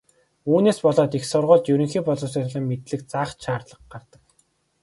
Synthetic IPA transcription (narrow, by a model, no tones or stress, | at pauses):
uːneːspɔɮɔːt̪ixsʊrʁʊːɮt̪jɵɾɵ̆ŋxiːpɔɮɔːsiːt̪ʰɮɞ̆ːŋːet̪ɮɘ̆k̚t͡saːχʃaːrt̪ɮə̆qɢart̪ə̆k̚